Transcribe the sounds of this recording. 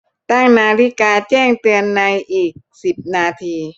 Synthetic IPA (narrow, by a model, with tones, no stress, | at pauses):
t̪a˥˩ŋnaː˧li˦˥kaː˧t͡ɕɛː˥˩ŋt̪ɯ˧ənːa˧jʔiː˨˩k̚si˨˩p̚naː˧t̪ʰiː˧